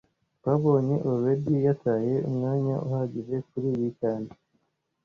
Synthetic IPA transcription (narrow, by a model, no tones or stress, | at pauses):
baβo̞ːɲe̞ʔoβedijatʰaːje̞umŋaːɲa̰ʔuhaɟize̞k̚uɾijicaːndi